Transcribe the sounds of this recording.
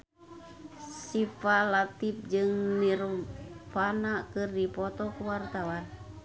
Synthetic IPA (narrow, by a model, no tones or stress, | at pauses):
sifalat̪ip̚d͡ʒɨŋniɾumfanakɨrdipɔt̪ɔkuwart̪awan